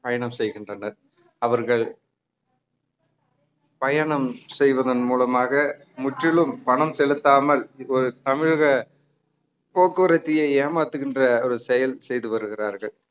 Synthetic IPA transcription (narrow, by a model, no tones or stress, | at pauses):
pɐjɐɳɐmsɛjɣɪndrɐnɐɾ | ɐʋɐɾɣɐɭ | pɐjɐɳɐmsɛjʋɐðɐnmuːlɐmaːɣɐ | mʊʈrɪɭɯmpɐɳɐmsɛlɯt̪ːaːmɐlɔɾɯt̪ɐmɪɻɣɐ | poːkːɯɾɐt̪ːɪjeeːmaːt̪ːɯɣɪndrɐɔɾɯsɛjɐlsɛjðɯʋɐɾɯɣɪraːɾɣɐɭ